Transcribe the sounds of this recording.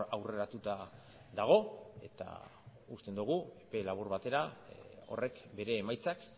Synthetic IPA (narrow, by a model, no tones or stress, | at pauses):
awre̞ɾat̪ut̪a | ðaɣ̞o̞e̞̰t̪a̰ | ust̪e̞nd̪uɣ̞uepe̞laβ̞uɾβat̪e̞ɾao̞̰re̞kbe̞ɾe̞ːmajt͡sak